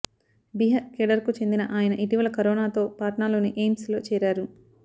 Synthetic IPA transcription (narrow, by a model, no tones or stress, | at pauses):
biɦɐkeɖɐɾkut͡ʃe̞nd̪inɐʔaːjɐnɐʔiʈiʋɐlɐkɐɾoːnaːt̪o̞ːpaːʈnaːlo̞ːniʔeːmslo̞ːt͡ʃɛːɾaːɾu